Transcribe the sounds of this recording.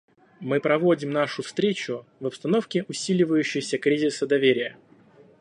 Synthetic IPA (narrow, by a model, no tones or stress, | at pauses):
mɨpɾɐvo̞dʲɪmnaʂʊfst̪ɾʲet͡ɕʊvəpst̪ɐno̞fkʲɪʔʊsʲilʲɪvəjʉɕːɪjsʲəkɾʲizʲɪsəd̪ɐvʲeɾʲɪjə